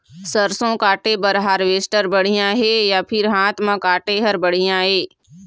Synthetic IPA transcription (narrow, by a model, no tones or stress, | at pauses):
səɾsõkaːʈebəɾɦaɾʋeːsʈəɾbəɽ̤ijãɦɛːjapʰɪɾɦãːt̪mãkaːʈeɦəɾbəɽ̤ijãɦɛː